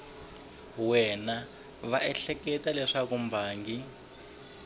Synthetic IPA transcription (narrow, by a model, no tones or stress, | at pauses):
wɛna | βaʔɛɬɛkɛtalɛʂakumbʱaːŋɡi